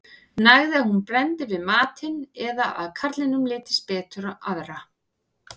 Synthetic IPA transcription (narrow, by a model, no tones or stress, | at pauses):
naɣðɪaðhunpɾɛnt̪ɪvɪðmaːt̪ʰɪnɛðaʔaðkʰaɾt̪lɪnʏmlɪːt̪ɪ̥spɛːt̪ʏɾaʔaðɾa